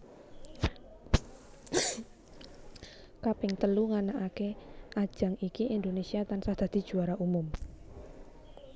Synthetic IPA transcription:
kapɪŋt̪əluŋanaʔakeʔad̥ʒ̥a̤ŋikiʔind̪onesiat̪ansad̪̥a̤d̪̥i̤d̥ʒ̥ṳaɾaumʊm

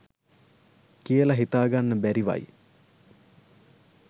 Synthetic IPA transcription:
kijəlaɦit̪aːɡanːəbæɾiʋa̰j

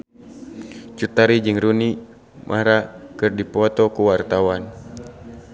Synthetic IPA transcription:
t͡ʃut̪aɾid͡ʒɨŋɾuni | mʔa̰ɾakɨrdipɔt̪ɔkuwart̪awan

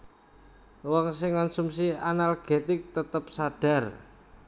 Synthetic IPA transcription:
wɔŋsɪŋkɔnsumsianalɡ̥e̤t̪ɪk̚t̪ət̪əp̚saɖ̥a̤r

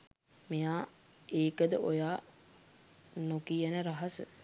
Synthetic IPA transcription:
mijaː | eːkəd̪əʔojaː | nokijənəɾaɦɐsə̰

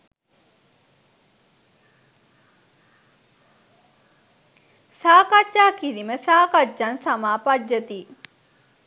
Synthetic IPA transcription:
saːkad͡ʒaːkiɾiməsaːkad͡ʒːansamaːpad͡ʒɐt̪iː

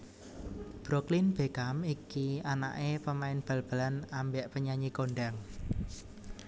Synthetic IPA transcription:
b̥ɾoklinb̥e̤kamikiana̰ʔepəmaɪnb̥a̤lb̥a̤lanambɛʔpəɲaɲikoɳɖaŋ

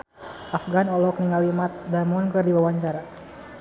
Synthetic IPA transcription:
ʔafɡanɔlɔk̚niŋawimat̪̚damɔnkɨrdiwawaɲt͡ʃaɾa

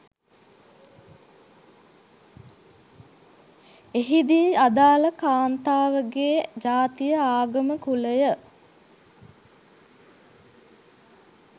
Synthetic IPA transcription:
eɦid̪iad̪aːləkaːnt̪aːʋəɡeːd͡ʒaːt̪ijəaːɡəməkuləjə

